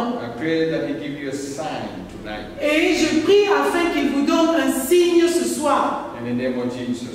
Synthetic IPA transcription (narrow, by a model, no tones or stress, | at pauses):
aɪpʰɹeðat̚wiɡivjuəsãɪ̃ntʰuna̰ɪt̚eʒəpχiafɛ̃kilvud̪ɔ̃nɛ̃siɲsəswaʁɛ̃nðənẽmɔvd͡ʒizɔ